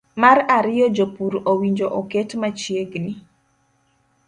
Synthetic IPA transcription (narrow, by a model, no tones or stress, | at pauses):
maɾaɾɪjɔd͡ʒopuɾowiɲd͡ʒoʔɔketmat͡ʃjeɡni